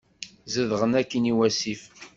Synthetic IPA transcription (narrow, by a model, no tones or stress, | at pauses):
zəðʁənækːəniwæsif